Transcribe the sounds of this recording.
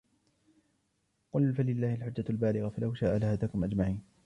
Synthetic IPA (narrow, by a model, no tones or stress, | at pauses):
qʊlfalɪlːaːhɪlħʊd͡ʒːalbaːlɪɣafalʔawʃaːʔalahaːðaːkʊmʔad͡ʒmaʕiːn